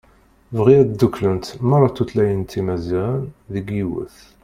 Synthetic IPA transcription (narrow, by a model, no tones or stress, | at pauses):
vʁiæt̪d̪ːuklənt̪mɑɾˤɑt̪ːut̪læjənt̪ːimæzænðəɡiwə̰θ